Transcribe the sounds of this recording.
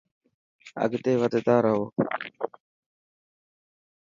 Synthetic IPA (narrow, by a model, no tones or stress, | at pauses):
ə̰ɡd̪eːʋəd̪ed̪aːɾəʋoː